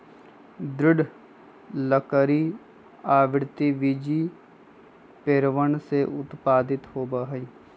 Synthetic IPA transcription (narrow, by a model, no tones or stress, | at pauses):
d̪ɾɪɖ | ləkəɾi | aːʋɪɾt̪iʋid͡ʒi | peːɾʋəɳseʔʊt̪paːd̪ɪt̪ɦoːbaɦi